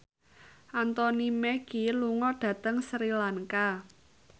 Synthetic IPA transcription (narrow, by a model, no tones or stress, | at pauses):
ʔant̪ɔnimɛɡ̥iluŋɔɖ̥ä̤t̪əŋsɾilaŋka